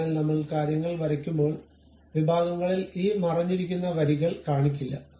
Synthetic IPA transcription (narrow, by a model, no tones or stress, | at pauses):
aːlnɐmːɐɭkaːɾjɐŋːɐɭʋɐɾɐkʲːumbo̞ːɭ | ʋibʱaːɡɐŋːɐɭiliːmɐrɐɲːiɾikʲːunːɐʋɐɾiɣɐɭkaːɳikʲːilːɐ̰